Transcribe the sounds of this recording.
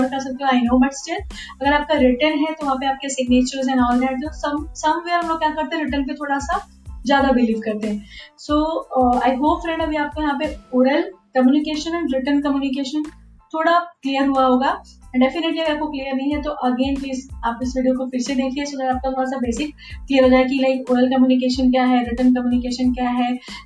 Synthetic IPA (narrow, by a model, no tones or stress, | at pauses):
ɽkɐɾs̬ɐk̚t̪eɦõaːɪnoːbɐʈst͡ʃɪl | ɐɡəɾaːp̚kaɾɪʈənɦɛt̪oʋɐɦãpeaːp̚kesɪɡneːt͡ʃəɾzɛ̃nɔːnlɛ̃ɖt̪osɐbsɐmʋeːɾɐmloːɡ̚kʲjakɐɾt̪ẽɦɾɪʈənp̬et̪ʰoːɽasa | zjaːd̪abɪliːʋkɐɾt̪eɦɛ̃soːaːɪɦoːpfɾɛ̃ɳɖɐbʱiaːp̚kojɐɦãpeoːɾəlkɐmjuːnɪkeːʃənɛ̃ːɳɖɾɪʈənkɐmjuːnɪk̬eːʃə̃n | t̪ʰoːɽaklijəɾɦuaɦoːɡaː | ɛ̃ɳɖɛfɪneʈliɐɡəɾapkoklijəɾnɐɦĩɦɛt̪oʔɐɡeːnpliːzaːpɪsʋiːɖijokofɪɾsed̪eːkʰliesoːɡəɾaːp̚kat̪ʰoːɽasabeːsɪkː | lijəɾɦod͡ʒaːek̬ilaɪkoːɾəlkɐmjuːnɪk̬eːʃənkjaːɦɛɾɪʈənkɐmjuːnɪkeːʃənkjaːɦɛː